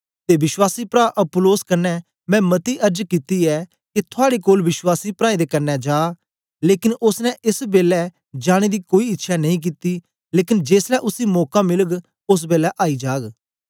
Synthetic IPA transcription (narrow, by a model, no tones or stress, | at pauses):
t̪eːʋɪswaːsiːpɾaːʔəpʊloːskənːɛː | mɛ̃ːmət̪iːʔəɾd͡ʒkiːt̪iːɛː | ket̪ʰʊaːɽeːkoːlʋɪswaːsiːpɾaːẽd̪eːkənːɛːd͡ʒaː | leːkɪnʊsnɛ̃ʔɪsbeːlɛː | d͡ʒaːɽ̃eːd̪iːkoːiɪtːʃʰaːnɐĩːk̬iːt̪iː | leːkɪnd͡ʒeːslɛːʔʊsiːmɔːkãːmɪləɡ | ʊs̬beːlɛːʔaːiːd͡ʒaːɡ